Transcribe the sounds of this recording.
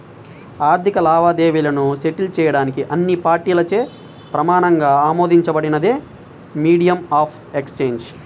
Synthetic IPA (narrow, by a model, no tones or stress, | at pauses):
aːɾt̪ʰikɐlaːʋaːd̪e̞ːʋiːlɐnuʃe̞ʈilt͡ʃɛːjɐɽaːnikiʔɐnːipaːɾʈiːlɐt͡ʃe̞ː | pɾɐmaːnɐŋɡaːaːmo̞ːd̪ʱiɲt͡ʃɐbɐɽinɐd̪eː | miːɽijɐmaːpʰ | ekst͡ʃeːnd͡ʒ